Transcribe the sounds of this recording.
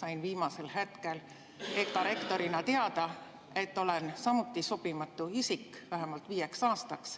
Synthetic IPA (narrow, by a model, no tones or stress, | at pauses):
sɑjnviːmɑselhet̪ke̞l | e̞kːɑɾe̞kt̪o̞ɾinɑt̪eɑd̪̥ɑ | e̞t̪ːo̞lensɑmut̪ːˑisob̥imɑt̪ːˑuisikːvæɦemɑlt̪viːje̞ksɑːst̪ɑks